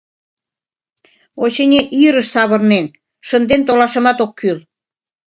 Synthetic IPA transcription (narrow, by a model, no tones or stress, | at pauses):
oɕenʲeʔiəɾə̆ʃsɑβɤ̆rnen | ʃə̆nd̪ent̪olɑʃə̆mɑt̪okʰːyl